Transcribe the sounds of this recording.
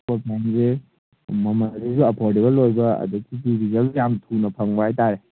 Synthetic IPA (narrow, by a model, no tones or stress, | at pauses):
kopʰanze | mɐmɐɾizuɐpʰɔɾdebɐlojbɐɐ̰dukipiɾizɐljamtʰunɐpʰɐŋbaajtaɾe